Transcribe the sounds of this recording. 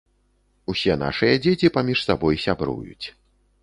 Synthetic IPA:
usʲɛna̰ʂɨjɐd͡zʲet͡sʲipamʲiʂsabɔjsʲabɾṵjṵt͡sʲ

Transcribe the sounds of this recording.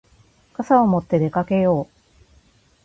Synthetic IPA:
kasaomo̞t̪ːe̞d̪e̞kake̞jo̞ː

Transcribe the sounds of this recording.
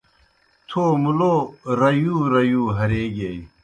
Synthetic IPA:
t̪ʰoːmuloːɾɐjuːɾɐjuːɦɐɾeːɡej

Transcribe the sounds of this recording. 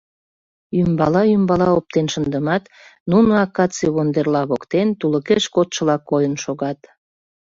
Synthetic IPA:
jymbɑlɑjymbɑlɑop̚t̪enʃənd̪əmɑt̪ | nunoɑkɑt͡seβond̪erlɑβokt̪ent̪uləkeʃkot̪ʃəlɑkːojənʃoɣɑt̪

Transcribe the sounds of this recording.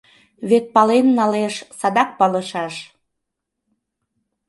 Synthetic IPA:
βet̪̚pɑlenːɑleʃsɑd̪ɑk̚pɑlə̆ʃɑʃ

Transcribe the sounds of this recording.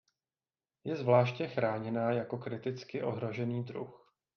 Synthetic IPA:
jɛzvlaːʃcɛxɾaːɲɛnaːjako̞kɾɪt̪ɪt͡skɪʔo̞ɦɾo̞ʒɛniːd̪ɾṵx

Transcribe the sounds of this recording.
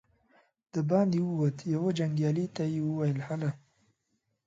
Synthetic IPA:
d̪̥əbɑnd̪iwəwət̪jawad͡ʒaŋɡjɑlit̪ajewəwajəlhala

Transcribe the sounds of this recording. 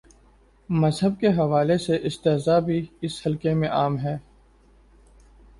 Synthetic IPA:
mɐzɦəb̚keɦɐʋaːleseʔɪst̪eːɦzaːbʱiɪshɐlkemẽʔaːmɦɛː

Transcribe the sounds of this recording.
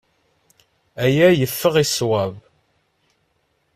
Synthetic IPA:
æjæjəfːəʁiswæv

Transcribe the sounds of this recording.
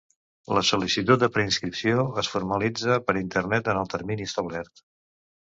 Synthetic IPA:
ləsulisit̪ut̪̚d̪əpɾəinskɾipsioəsfuɾməlid͡zəpəɾint̪ərnɛt̪ənəlˠt̪əɾminiəst̪əβlɛrt̪

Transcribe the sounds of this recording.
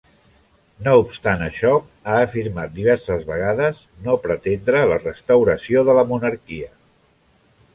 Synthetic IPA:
noupst̪anəʃɔ | aəfiɾmat̪̚d̪iβ̞ɛɾsəzβəɣ̞aðəz | nopɾət̪end̪ɾələrəst̪əwɾəsioðələmunəɾkiə

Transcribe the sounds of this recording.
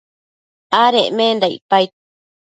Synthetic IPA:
aɾeʔmẽnd̪aḭpajt̪

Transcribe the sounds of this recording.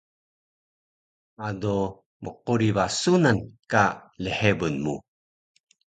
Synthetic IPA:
ado | məquɾivasunankaləhebənmṵ

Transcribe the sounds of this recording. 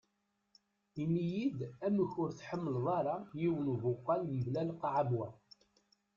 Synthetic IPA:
inijid̪æməçʊɾθħəmːəlðˤɑɾˤɑjiwənvʊqːɑlməblælqʕabwæ

